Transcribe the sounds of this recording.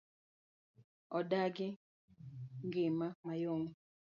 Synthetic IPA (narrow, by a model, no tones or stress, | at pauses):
ɔdaɡɪ | ŋɡemamajɔŋɔ